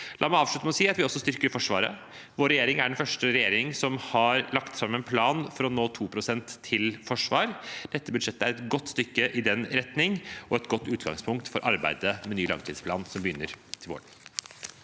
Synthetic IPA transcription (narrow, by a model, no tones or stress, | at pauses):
lɑ̰ːmæɪɑːʋʂɭʉt̪əmɛɔsiːɑt̪ʋɪɔsːɔst̪ʏɾkəɾfɔʂʋɑːɾə̰ | ʋoːɾːɛjeːɾɪŋæɖɛnfœʂʈəɾɛjeːɾɪŋsɔmhɑɾlɑkt̪fɾɑmːɛnpʰlɑːnfɔɾɔnoːt̪ʰuːpʰɾʊsɛnt̪ʰːɪlfɔʂʋɑːɾd̪̥ɛt̪ːəbʉd̪ʂɛt̪ːəæɾɛt̪ɡɔt̪ːst̪ʏkːəʔɪd̪ɛnɾɛt̪nɪŋɔɛt̪ɡɔt̪ːʉːt̪ɡɑ̰ŋspʰʊŋk̚t̪fɔɾʔɑɾbæ̰ɪd̪əmɛnyːlɑ̰ŋt̪ʰiːd̪spʰlɑ̰ːnsɔmbəjʏnːəɾt̪ʰɪlʋo̰ːɖ